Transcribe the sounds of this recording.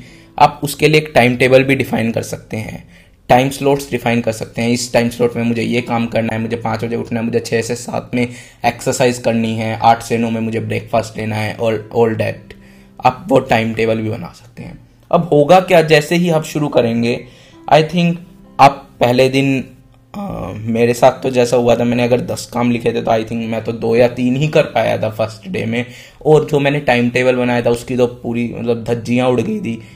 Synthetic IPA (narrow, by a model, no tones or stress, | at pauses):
a̰ːpʊskelieːk̚ʈaɪmʈeːbəlbʱiɖɪfaːɪ̃nkɐ̰ɾsɐk̚t̪eɦɛ̰̃ː | ʈaːɪmsloːʈsɖɪfaːɪnkɐɾsɐk̚t̪eɦɛ̃ɪsʈaːɪmsloːʈmẽmʊd͡ʒʱejekaːmkɐɾnaɦɛmʊd͡ʒʱepãːt͡ʃbɐd͡ʒeʊʈʰnaɦɛmʊd͡ʒʱet͡ʃʰɛːsesa̰ːt̪ʰmẽ | eːksəɾsaːɪzkɐɾniɦɛ̃ʔaːʈʰsenõmẽmʊd͡ʒʱebɾeːkfaːsʈleːnaɦɛ̰ʔɔːɾɔːlɖɛ̰ːʈ | a̰ːpʋoʈaɪmʈeːbəlbʱibɐ̰na̰ːsɐ̥k̚t̪ḛɦɛ̰̃ː | ɐ̰bɦoːɡakjaːd͡ʒɛːseɦiaːpʃʊɾukɐɾẽːŋɡeː | ʔa̰ːɪt̪ʰɪ̃ŋk | aːpːɛɦled̪ɪn | meːɾesaːt̪ʰt̪ːod͡ʒɛːsaɦuat̪ʰamɛ̃ːneɐɡəɾd̪ɐskaːmlɪkʰet̪ʰet̪oaːɪt̪ʰɪ̃ŋkmɛ̃ːt̪od̪oːjat̪iːnɦikɐɾpaːja̰t̪ʰafɐɾsʈɖḛːmẽ | ɔːɾd͡ʒoːmɛːneʈaːɪmʈeːʋəlbɐnaːjat̪ʰaʊskit̪opuːɾimɐ̰t̪ləb̚d̪ʱɐd͡ʒijãʊɽɡɐid̪iː